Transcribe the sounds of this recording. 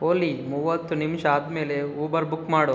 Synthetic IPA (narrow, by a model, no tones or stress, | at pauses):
oːlimuʋɐt̪ːunimʂɐaːd̪me̞ːleuːbɐɾbukːmaːɽo